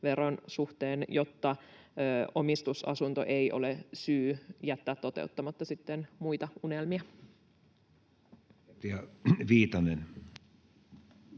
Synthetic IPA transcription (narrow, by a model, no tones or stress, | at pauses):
ʋeɾonsuht̪eːnjot̪ːɑ | o̞mist̪usɑ̰sunt̪o̞̰ʔeiʔo̞̰lesyːjæt̪ːæːt̪ːo̞t̪ḛut̪ːɑmɑt̪ːɑsit̪ːenmuit̪ɑunelmiɑ | t̪iɑʋiːt̪ɑnen